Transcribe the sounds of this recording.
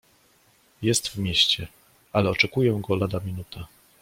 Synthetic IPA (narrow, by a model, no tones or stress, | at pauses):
jɛst̪vmʲjɛɕt͡ɕɛ | alɛɔt͡ʂɛkujɛɡɔlad̪amʲinut̪ʰa